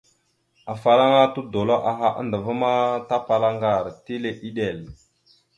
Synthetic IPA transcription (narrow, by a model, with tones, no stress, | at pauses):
a˨fa˨la˦ŋa˦tu˦do˨lo˦ʔa˨ɦa˦ʔa̰˦ndə˨va˦ma˦ta˦pa˨la˦ŋɡa˨ɾti˦le˨ʔi˦ɗe˨l